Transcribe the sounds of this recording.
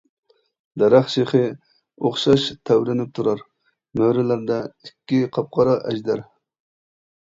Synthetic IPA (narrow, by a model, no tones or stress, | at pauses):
d̪ɑɾɑχʃeχɪ | oχʃɑʃt̪ʰæwɾɪnɪp̚t̪ʰuɾɑɾ | møɾɪlæɾd̪æɪkʲːɪqʰɑp̚qɑɾɑʔæd͡ʒd̪ɑɾ